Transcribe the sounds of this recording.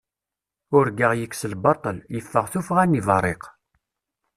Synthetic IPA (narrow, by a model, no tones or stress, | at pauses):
ʊɾɡəʁjəkːsəlbɑt̪ˤəljəfːəʁθufʁænːivɑrˤːeq